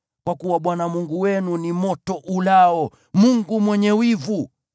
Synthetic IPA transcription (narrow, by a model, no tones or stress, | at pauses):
kwakuwaɓwanamuŋɡuwɛnunimɔtɔʔulaɔ | muŋɡumwɛɲɛwivu